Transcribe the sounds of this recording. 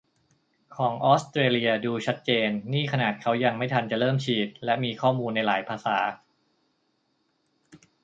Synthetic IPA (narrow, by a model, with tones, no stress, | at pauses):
kʰɔː˩˦ŋʔɔː˦˥st̪ɾeː˧li˧ɐduː˧t͡ɕʰa˦˥t̪̚t͡ɕeː˧nːiː˥˩kʰa˧naː˨˩t̪̚kʰa˦˥wja˧ŋma˥˩jt̪ʰa˧nt͡ɕa˨˩lɤː˥˩mt͡ɕʰiː˨˩t̪̚lɛ˦˥miː˧kʰɔː˥˩muː˧nːa˧jlaː˩˦jpʰaː˧saː˩˦